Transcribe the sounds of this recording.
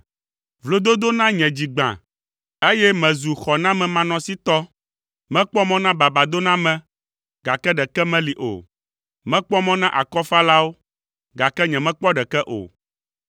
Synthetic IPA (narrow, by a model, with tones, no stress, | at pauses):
vlo˦d̪o˦d̪o˦nã˦ɲɛ̃˨d͡ʑi˨ɡ͡bã̰˨ | e˦jɛ˦mɛ̃˨zu˨xɔ˨nã˦mɛ̃˨mã˨nɔ̃˨˦si˦t̪ɔ˦ | mɛ̃˦k͡pɔ˦mɔ̃˦nã˦ba˨ba˨d̪o˦nã˦mɛ̃˦ | ɡa˨kɛ˦ɖɛ˨kɛ˦mɛ̃˦li˨ʔo̰˨ | mɛ̃˦k͡pɔ˦mɔ̃˦nã˦ʔa̰˨kɔ˦fa˦la˦wo˦ | ɡa˨kɛ˦ɲɛ̃˨mɛ̃˦k͡pɔ˦ɖɛ˨kɛ˦ʔo̰˨